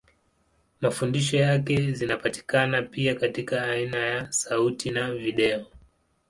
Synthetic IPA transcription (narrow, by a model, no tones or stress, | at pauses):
mafundiʃ̬ɔjakɛzinapati̥kanapiakatikaːinajasautinaviɗɛɔ